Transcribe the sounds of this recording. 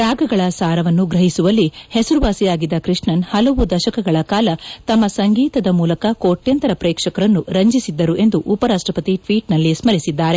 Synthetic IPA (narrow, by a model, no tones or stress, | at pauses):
ɾaːɡɐɡɐɭɐsaːɾɐʋɐnːuɡɾɐɦisuʋɐlːihesɐɾuʋaːsijaːɡid̪ːɐkɾiʂɳɐnhɐlɐʋud̪ɐʃɐkɐɡɐɭɐkaːlɐt̪ɐmːɐsɐŋɡiːt̪ɐd̪ɐmuːlɐkɐkoːʈjɐnt̪ɐɾɐpɾɛːkʂɐkɐɾɐnːuɾɐɲd͡ʒisid̪ːɐɾuʔe̞nd̪uʔupɐɾaːʂʈɾɐpɐt̪iʈʋiːʈnɐlːismɐɾisid̪ːaːɾe